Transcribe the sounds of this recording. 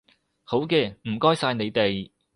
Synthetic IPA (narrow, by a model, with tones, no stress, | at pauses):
ho˨˥wkɛː˧m̩˨˩kɔː˥jsaː˧jne˨˧jt̪e˨j